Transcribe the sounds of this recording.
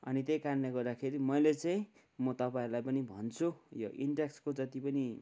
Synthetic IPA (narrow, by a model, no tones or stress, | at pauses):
ʌ̰nit̪̬ejkarnlaɡʌrd̪akʰeɾimʌjlet͡saĩ | mʌt̪ʌpaĩɾulajpʌnibʱʌnt͡sʰujoʔḭɳɖekskod͡zʌt̪ipʌni